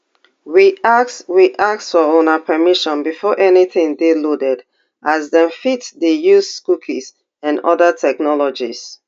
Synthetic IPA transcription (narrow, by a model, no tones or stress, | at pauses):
ɹiaksɹiʔak̚sfɔõnapʰɛmiʃɔ̃nbifɔʔɛniθɪ̃ŋdelodɛd | ʔazdɛ̃nfitdejuzskukʰis | ãnɔ̰ðətʰɛknɔlɔd͡ʒiz